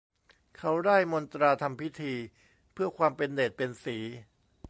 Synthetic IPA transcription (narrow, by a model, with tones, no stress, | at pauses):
kʰa˦˥wdaː˥˩jmo˧nt̪ɾaː˧t̪ʰa˧mpʰi˦˥t̪ʰiː˧ | pʰɯ˥˩ɐkʰwaː˧mpe˧ndeː˨˩t̪̚pe˧nsiː˩˦